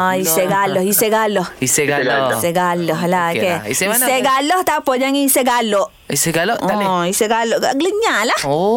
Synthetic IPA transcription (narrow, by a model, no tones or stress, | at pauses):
aiseɡalɔhiseɡalɔhiseɡalseɡalɔhlaokeiseseɡalɔht̪apɔd͡ʒaŋiseɡalɔʔ | iseɡalɔʔʔaiseɡalɔʔɡaʔɡləɲalah